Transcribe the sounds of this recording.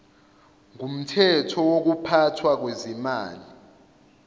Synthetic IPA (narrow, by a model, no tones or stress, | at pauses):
ŋum̩tʰɛtʰɔwok̬upʰatʰwak̬wezimaːli